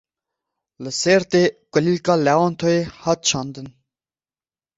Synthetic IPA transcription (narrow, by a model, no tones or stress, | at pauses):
ləseɾt̪eɡ̥əlilkalawɔnt̪ʰoehat̪̚t͡ʃʰɑnd̪ən